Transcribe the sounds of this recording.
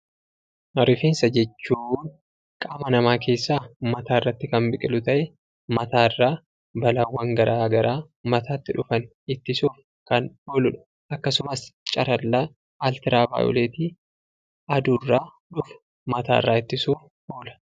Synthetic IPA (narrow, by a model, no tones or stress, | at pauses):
ʔɐɾɪfiːnsɐd͡ʒɛt͡ʃːuːn | kʼaːmɐnɐmaːkʰe̞ːsːaːmɐt̪aːɪrːɐt̪ːɪkɐmbɪkʼɪlʊt̪ɐʔɛ | mɐt̪aːɪrːaː | bɐlɐwːɐŋɡɐɾʔaːɡɐɾaː | mɐt̪aːt̪ːɪᶑʊfɐn | ɪt̪ːɪsuːf | kɐnᶑolʊᶑɐ̥ | ʔɐkːɐsʊmɐst͡ʃʼɐɾɐlːaː | lt̪ɪɾaːba̰ːjɔ̰leːt̪i | ɐd̪uːrːaː | ᶑʊfʊ̥ | mɐt̪aːɪ̰rːa̰ːɪt̪ːɪsuː | ʔoːlɐ̥